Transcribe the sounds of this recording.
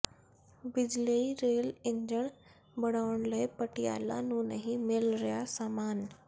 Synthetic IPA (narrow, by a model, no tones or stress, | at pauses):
bid͡ʑleiɾeliɲd͡ʑəɳ | bəɽaʋəɳləjpəʈija̰la̰nunəɦimelɾjasamaːn